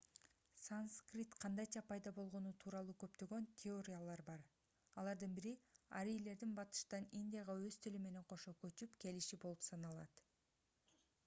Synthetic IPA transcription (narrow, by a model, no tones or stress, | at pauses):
sanskrʲit̪qʰɑnd̪ɑjt͡ʃɑpʰɑjd̪ɑbo̞lˠʁo̞nut̪ʰuːɾɑlˠuːkø̞pt̪ø̞ɡø̞nt̪ʲʰeo̞ɾʲijalˠɑɾbɑɾ | ɑlˠɑɾd̪ɯnbiɾia̰ɾijle̞ɾd̪inbɑt̪ɯ̥ʃt̪ɑninʲd̪ʲijɑʁɑøzt̪ʰilyme̞ne̞ɴqʰo̞ʃo̞køt͡ʃypke̞liʃibo̞lˠupsɑnɑlˠɑ̰t̪